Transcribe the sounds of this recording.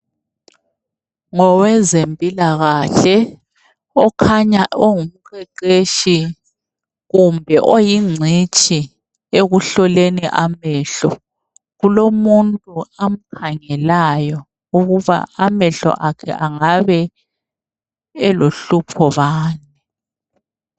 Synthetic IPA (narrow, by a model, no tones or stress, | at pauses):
ŋɔwɛzempʼilaɣaɬɛ | ɔkʰaɲaʔoŋum̩ɣʰɛǃeʃi | ɣumbʱɛʔojiŋ͡ǀʱit͡ʃʼʰi | eɣuɬɔleniʔamɛɬɔ | ɣulomuntʼuam̩kʰaŋɛlajɔ | uɣuβa̰amɛɬɔ̰ʔakʰɛ̰ʔaŋaβɛ | ɛloɬupʰɔβaːnɛ